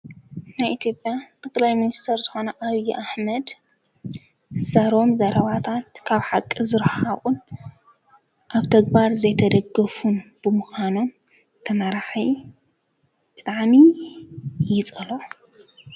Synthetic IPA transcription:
najʔit̪ʰjo̞pʼjat̪ʰɨkʼlajminist̪ʰɐɾzɨxo̞nɐʔaβijʔaħmɐd̪ | sɐɾo̞mzɐɾɐβat̪ʰat̪kʰaβħakʼːizɨɾħaχʼun | ʔaβt̪ʰɐɡbaɾzɐjt̪ʰɐd̪ɐɡɐfunb̥ɨmuxanon | t̪ʰɐnaɾaħi | b̥ɨt̪ʼaʕmi | jɪt͡sʼɨlo

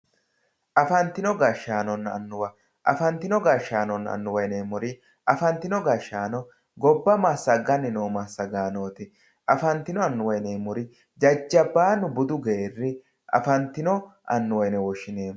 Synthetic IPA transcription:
ʔɐfɐnt̪ːɪnɔɡɐʃːaːnɔnɐ̰nːʊwɐ | ʔɐ̰fɐnt̪ːɪnɔɡɐʃːaːnɔnːɐ̰nːʊwɐjneːmɔɾɪ | ʔɐfɐnt̪ːɪnɔɡɐʃːaːnɔ | ɡɔbːɐmɐːsːɐɡɐnɛnoːmasɐɡaːnoːt̪ɪ | ʔɐfɐnt̪ɪnɔɐnːʊwɐjneːmʊɾɪ | d͡ʒɐd͡ʒːɐbːaːnʊbʊd̪ʊɡerːɪ | ʔɐ̰fɐnt̪ːɪnɔʔɐ̰nːʊwɐjnɛwɔʃɪneːm

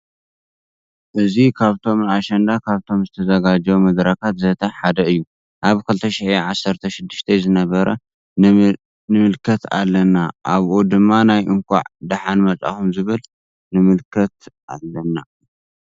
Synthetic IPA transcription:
ʔɨzikʰaβt̪ʰo̞mnaʃɐnd̪akʰaβt̪ʰo̞mzɨt̪ʰɐzɐɡad͡ʒɐwmɐd̪ɾɐkʰat̪zɐt̪ʰɐħad̪ɐɨjːu | ʔaβkʰɨlt̪ʰɐʃiʕiʕasːɐɾt̪ʰɐʃɪd̪ːɨʃt̪ʰɐzɨnɐβɐɾɐ | nɨmɨlkʰɐt̪a̰lːɐnaʔaβʔod̪ɨmːanajʔɨŋkʰʷa̰ʕd̪aħanmɐt͡sʼa̰xumzɨβɨl | nɨmɨlkʰɐt̪ʔa̰lːɐna

